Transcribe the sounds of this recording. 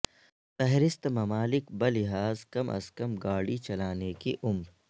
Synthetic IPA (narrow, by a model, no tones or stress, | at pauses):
t̪ɛɦɾɪst̪mɐmaːlɪkbɐlɪɦaːzkɐmʔɐ̰skɐmɡaːɽit͡ʃɐlaːnekiʔʊmɾ